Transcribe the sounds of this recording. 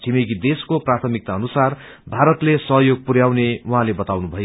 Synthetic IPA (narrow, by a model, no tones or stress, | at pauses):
t͡sʰimeɡid̪eskoprat̪ʰʌmik̚t̪aʌnusar | bʱaɾʌt̪lesʌɦjoɡ̚purjawnewuɦãlebʌt̪awnubʱʌjo